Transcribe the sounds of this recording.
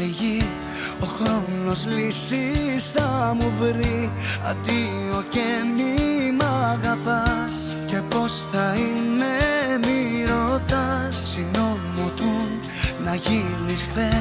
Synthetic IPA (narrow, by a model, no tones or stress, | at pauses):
eʝi | o̞xɾo̞no̞zlisisθɐmuvɾi | ɐ̰d̪i | o̞cemimɐɣɐpɐ | s | ce̞po̞sθɐinemiɾo̞t̪ɐssino̞mot̪u | nɐʝinisfθe